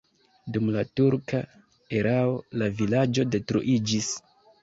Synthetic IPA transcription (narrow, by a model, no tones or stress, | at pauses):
dumlatuɾka | eɾao̞lavilad͡ʒo̞de̞tɾṵʔid͡ʒis